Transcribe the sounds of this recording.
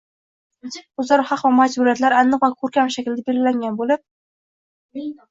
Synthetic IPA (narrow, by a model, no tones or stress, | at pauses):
ʊzaɾhɑqvamad͡ʒbʊɾijat̪laɾanːɨqvakʰɵɾkʲamʃakʲɪlɪd̪abeɾɡʲɪlaŋɡʲanbolɪp̚